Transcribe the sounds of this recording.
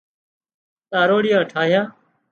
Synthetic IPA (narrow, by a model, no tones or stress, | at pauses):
t̪aːɾoːɽɪjãːʈʰaːɦjãː